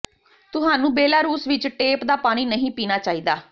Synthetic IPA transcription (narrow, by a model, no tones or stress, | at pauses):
t̪ʊɦaːnũːbeːlaːɾuːsʋɪt͡ʃʈeːpd̪aːpaːɽ̃iːnəɦĩːpiːnaːt͡ʃaːiːd̪aː